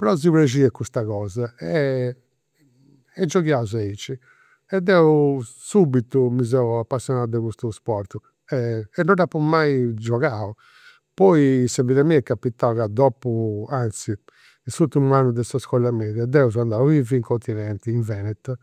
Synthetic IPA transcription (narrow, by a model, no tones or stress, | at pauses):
pɛɾɔziβɾed͡ʒiːɛkːust̪aɣɔːzaɛ | ɛd͡ʒːɔɣjazait͡ʃːi | ɛd̪ːɛu | subit̪umizɛuapːasːjɔnaːd̪ɛɣust̪uspɔɾt̪u | ɛɛnːɔnapːɔmːaid͡ʒɔɣau | pɔisaviðamiɛkːapːit̪ːaɣad̪ɔːpuant̪si | isut̪ːimuanːud̪ɛsaskɔlːamɛːðad̪ːɛuzand̪auviviŋkʰɔnt̪ʰinɛnt̪iːɱvɛːnɛt̪